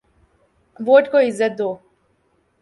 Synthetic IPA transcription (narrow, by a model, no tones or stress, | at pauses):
ʋoːʈkoizːɐt̪̚d̪oː